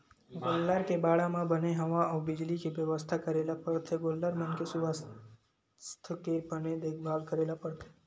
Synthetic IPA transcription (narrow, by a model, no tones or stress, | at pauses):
ɡolːaɾkebaɽamãbəneɦəʋaəwbɪd͡ʒlikiʋjəʋəst̪ʰakəɾelapəɽt̪ʰeɡolːaɾmənkesuʋas | st̪ʰəkepəned̪ekʰbʱaɡkəɾelapəɽt̪ʰe̥